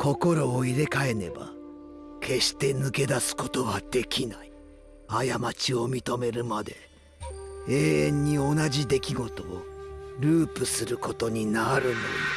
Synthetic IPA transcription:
ko̞ko̞ɾo̞ːiɾe̞kae̞ne̞ba̰ | kʰe̞ɕi̥t̪e̞nɯ̟ke̞d̪asɨ̥ko̞̥t̪o̞βad̪e̞kʲinai | ajamat͡ɕio̞mʲit̪o̞me̞ɾɯ̟mad̪e̞ | e̞ːẽɲ̟ːio̞naʑid̪e̞kʲiɡo̞t̪o̞ːɾɯ̟ːpɯ̟sɨɾɯ̟ko̞t̪o̞ɲ̟inaɾɯ̟no̰

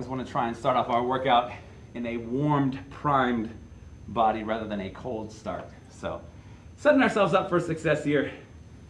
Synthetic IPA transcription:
zwɑ̃ñɨtʰɹ̥aɪɨ̃nstɑɹɾɔfaʊə˞wɜ˞kaʊɾ | ɨ̃nɨwɔɹmpʰɹ̥ãɪ̃m | bɑɾiɹæðə˞ðɨ̃nɨkʰoʊlˠd̥stɑ̰ɹt̚ | soʊ | sɛɾɪ̃ŋaʊə˞sɛlˠvzʌpfə˞sɨksɛshiɹ

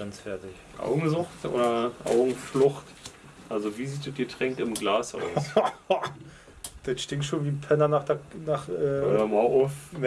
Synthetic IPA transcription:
ɛnsfɛɐtɪç | ʔa̰ʊɡŋ̩zʊxtʔo̰ːdɐʔa̰ʊɡŋ̩flʊχt | ʔalzoviːziːtd̥ɛt̚ɡ̥ətʁ̥ɛŋktɪmɡlaːsʔa̰ʊ | d̥ɛtʃtɪŋtʃoːnviːpʰɛnɐnaːχd̥ɛnaːχʔɛːʔoːdɐmaʔʊfn

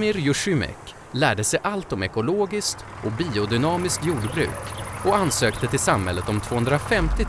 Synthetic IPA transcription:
mɪɾjɵʂymɛ̰k | læːɖəsɛjʔalt̪ɔmɛkʊloːɡɪskt̪ | ʔɔkbiːʊd̪ʏnɑːmɪskt̪juːɖbɾʉ̟̰ːkɔansøːkt̪ət̪ʰɪlsamhɛ̰lːət̪ɔmt̪ʰv̥oːhɵnd̪ɾafɛmt̪ɪ

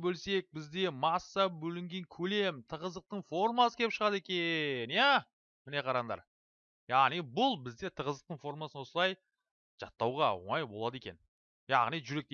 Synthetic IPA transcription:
bɵlse̞k̚bɪzd̪e̞mɑsːɑbɵlɪŋɡʲe̞ŋkʲʰɵle̞mt̪ʰəʁəzd̪əq̚t̪əɴfo̞rmɑsə̥kʲʰeɪpʃəʁɑd̪e̞kʲenjæ | mɪne̞qʰɑɾɑnd̪ɑ̰ɾ | jɑʁnijbʊlˠbɪzd̪e̞t̪ʰəʁəzd̪əq̚t̪əɴfo̞ɾmasənwo̞səlˠɑj | ʒ̥ɑ̰t̪ːɑwʁɑwo̰ɴɑjbo̞lˠɑd̪e̞kʲe̞n | jɑ̰ʁnijʒʏɾe̞k̚t̪e

